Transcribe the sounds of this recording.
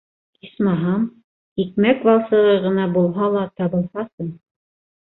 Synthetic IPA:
ismɑɦɑm | ikmækvɑlˠsɤ̆ʁɤʁɤ̆nɑbulˠɦɑlˠɑt̪ɑβɤ̆lˠhɑsɤɴ

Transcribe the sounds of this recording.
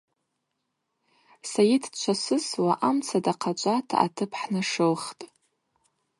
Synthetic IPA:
sajidʰt͡ʃʷʰasɨswaʔamt͡sʰadaqʰat͡ʃʷʼatʰa̰a̰tʰɨpʰħnɨʂɨlχtʼ

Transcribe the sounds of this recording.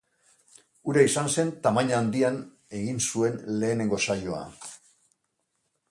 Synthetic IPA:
uɾaisanse̞nt̪amaɲaːnd̪ian | e̞ɣinsue̞nle̞ːne̞ŋɡo̞sajo̞a̰

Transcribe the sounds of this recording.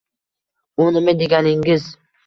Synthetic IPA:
ʊnɪmɪd̪eɡʲanɪŋɪz

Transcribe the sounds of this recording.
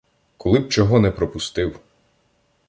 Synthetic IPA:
kɔlˠɪb̚t͡ʃɔɦɔnɛpɾɔpʊst̪ɪw

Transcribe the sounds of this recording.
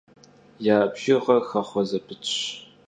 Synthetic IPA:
jaːbʒɪʁɐxɐχʷɔzɐpʰɨt͡ʃʼɕ

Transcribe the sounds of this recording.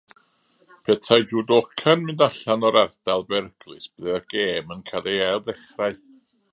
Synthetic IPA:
pʰɛtʰajd͡ʒuːdokʰanmɨndaɬanɔɾardalˠbɛrɡlˠɨsb̥ɨðɛrɡ̥eːmənkʰadejalˠðɛχraɨ

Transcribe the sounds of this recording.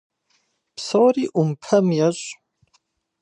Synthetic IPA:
psoːɾiːʔumpʰɐmjɐɕʼ

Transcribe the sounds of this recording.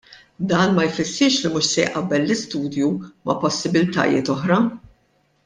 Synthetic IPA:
d̪ɐːnmɐjfɪsːɪɾʃlimuːʃsɛjʔɐbːɛlːɪst̪uːd̪jumɐpɔsːɪbɪlt̪ɐ̰jɪ̰ːt̪ɔħɾɐ

